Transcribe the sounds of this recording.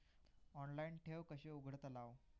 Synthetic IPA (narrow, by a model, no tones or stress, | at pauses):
ɔnlainʈʰeʋkəɕeuɡʱəɽt̪əlaʋ